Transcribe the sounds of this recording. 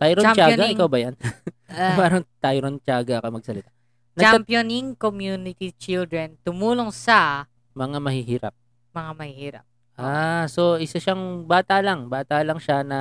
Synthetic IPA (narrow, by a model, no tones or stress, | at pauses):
t̪ajɾot͡ʃaːɡɐɪkawbɐjan | paːɾɐŋt̪ajɾont͡ʃaːɡɐɐkɐmɐɡ̚sɐlɪt̪a | nɐt͡ʃɡɐmpjoniŋkomjunɪt̪it͡ʃɪld̪ɾɛnt̪ʊmuːloŋsɐ | mɐŋamɐhiːhiːɾɐ̰p̚ | mɐŋamɐhihiːɾɐ̰p̚ | ʔaso̞ʔɪsaʃaŋbaːt̪alɐŋbaːt̪alɐŋʃanɐ